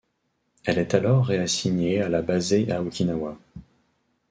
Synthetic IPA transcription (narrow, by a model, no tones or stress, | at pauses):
ɛlɛt̪alɔʁːeasiɲealabazeʔaukʲinawa